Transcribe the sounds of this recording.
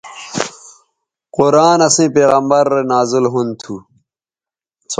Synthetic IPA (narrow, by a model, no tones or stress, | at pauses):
qoɾaːnɐsĩːpeːɣɐmbɐɾːenaːzilɦunt̪ʰu | s